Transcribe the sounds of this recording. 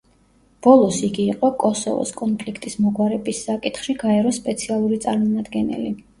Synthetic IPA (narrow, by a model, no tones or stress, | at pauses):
b̥ɔlˠɔsiɡiːqʼɔkʼɔsɔ̰vɔ̰skʼɔnpʰlikʰt̪ʼismɔɡwaɾɛbisːakʼit̪χʃiɡaɛɾɔspʼɛt̪sʰialˠuɾit̪sʼaɾmɔmad̪ɡɛnɛ̰li